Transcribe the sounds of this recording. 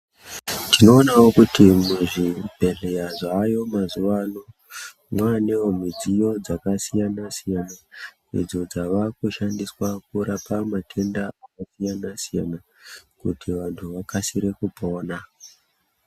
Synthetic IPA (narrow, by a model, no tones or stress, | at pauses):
tino̞ːnawo̞kutimuʐibʱe̞ɮejaʐajo̞mazuʋano | mwane̞wo̞mid͡zijo̞d͡zakasijanasijana | ḭd͡zo̞d͡zaʋakuʃandiswakuɾapamatʰe̞ndaakasijanasija̰na | kutiʋantʰuʋakasiɾe̞kupo̞ːna